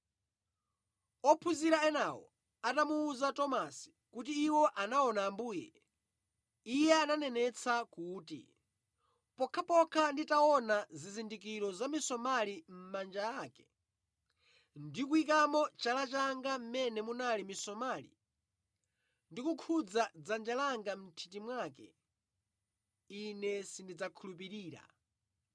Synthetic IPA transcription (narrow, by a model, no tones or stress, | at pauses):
ɔpʰuziɾaɛnawɔ̰ | atamuːzatɔmasi̥ | kut̬iːwɔʔanaɔnaːmbuːjɛ̰ | ijɛananɛnɛt͡sʰakuːtḭ | pɔkʰapɔkʰanditaɔnazizindik̬iɾɔzamisɔmalim̩mand͡ʒaaːkɛ̥ | ndikuikamɔt͡ʃalat͡ʃaŋɡam̩mɛnɛmunalimisɔmaːlḭ | ndikukʰud͡zad͡zand͡ʒalaŋɡam̩tʰitimwaːkɛ̰ | inɛsindid͡zakʰulup̬iɾiːɾa̰